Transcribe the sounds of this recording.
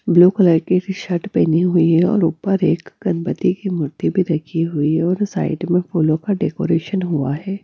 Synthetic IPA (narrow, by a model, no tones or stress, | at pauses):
bluːkləɾkiʈʃɐʈpeːniɦʊiɦɛɔ̰ːɾʊːpəɾeːkɡɐnpət̪ikimʊɾt̪ibʱiɾɐkʰiɦʊiɔːɾsa̰ːɪʈmẽfuːlõkaɖeːkoːɾeːʃənɦua̰ɦɛː